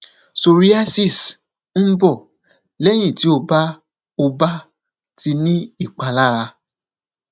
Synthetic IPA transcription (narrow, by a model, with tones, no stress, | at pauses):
so˧˨ɾi˦a˦si˦˨s | n̩˦bɔ˦˨ | lɛ˦j̃ĩ˦˨ti˨˦o˧ba˦ | o˧ba˦ | ti˧nĩ˦i˦˨k͡pa˧la˦ɾa˧